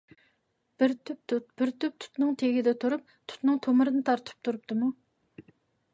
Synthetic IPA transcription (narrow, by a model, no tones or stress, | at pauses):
b̥ɪɾt̪̚ʰt̪b̥ɪɾt̪ʰyp̚t̪ʰʊ̥t̪nɨŋt̪ʰeɡʲɪd̪ɛt̪ʰuɾup̚t̪ʰʊ̥t̪nɨŋt̪ʰomɨɾɨnɨt̪ʰɑɾt̪ʰɨ̥p̚t̪ʰuɾup̚t̪ʰɨmu